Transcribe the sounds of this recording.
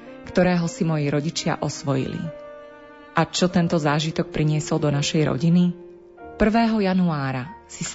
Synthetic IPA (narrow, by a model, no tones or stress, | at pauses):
kt̪ɔɾɛːɦɔsimɔjiɾɔɟit͡ʃɪa̰ʔɔsʋɔjḭlḭ | ʔat͡ʃɔt̪ɛnt̪ɔzaːʒit̪ɔk̚pɾiɲɪɛsɔld̪ɔnaʃɛjɾɔ̰ɟini | pr̩ʋɛːɦɔjanuaːɾasi